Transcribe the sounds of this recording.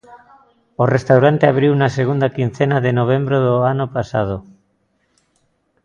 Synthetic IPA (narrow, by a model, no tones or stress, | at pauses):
orest̪awɾant̪eaβ̞ɾiwnaseɣ̞und̪akin̟θenaðenoβ̞embɾoðoanopasa̰ð̞o